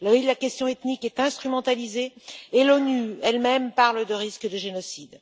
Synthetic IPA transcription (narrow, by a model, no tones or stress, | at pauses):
lɔlakʲɛst̪jɔ̃ɛt̪nikɛt̪ɛ̃st̪χymɑ̃t̪alizeːlɔnyɛlmɛmpaʁləd̪əʁiskəd̪əʒenɔsid̪